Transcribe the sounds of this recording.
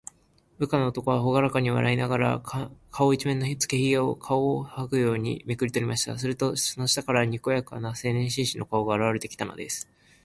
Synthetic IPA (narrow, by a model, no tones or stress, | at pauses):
bɯ̟kano̞ːt̪o̞ko̞β̞aɦo̞ɡaɾakaɲ̟iβa̰ɾainaɡaɾa̰kʰao̞it͡ɕimẽ̞nːo̞çit͡sɨ̥ke̞çiao̰kʰaohakɯ̟jo̞ːɲ̟ḭmekɯ̟ɾʲit̪o̞ɾʲimaɕi̥t̪a̰sɨɾɯ̟t̪o̞sono̞ɕi̥t̪akaɾaɲ̟iko̞jaka̰nase̞ːnẽ̞ɰ̃ɕĩɰ̃ɕino̞kaoɡaːɾaβaɾe̞t̪e̥kʲi̥t̪ano̞̰d̪e̞sɨ̥